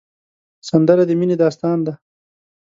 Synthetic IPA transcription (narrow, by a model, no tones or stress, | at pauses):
sɐnd̪əɾad̪emined̪ɑːst̪ɑːnd̪a